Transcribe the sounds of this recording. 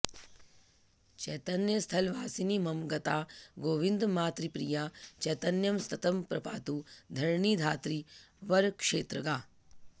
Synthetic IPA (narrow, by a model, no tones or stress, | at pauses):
t͡ʃɛːt̪ɐnjəst̪ʰɐlʋaːsinimɐmɡɐt̪aːɡoːʋind̪maːt̪ɾipɾijaːt͡ʃɛːt̪ɐnjɐmst̪ʰɐt̪ɐmpɾɐpaːt̪ud̪ʱɐɾɳiːd̪ʱaːt̪ɾiʋɐɾkʂeːt̪ɾəɡaː